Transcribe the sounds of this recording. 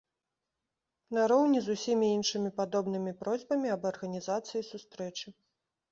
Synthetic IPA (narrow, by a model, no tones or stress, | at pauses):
naɾɔwnʲizusʲimʲiinʂɨmʲipad̪ɔbnɨmʲipɾɔzʲbɐmʲiɐbɐrɣɐnʲizat̪sɨjisust̪ɾɛt͡ʂɨ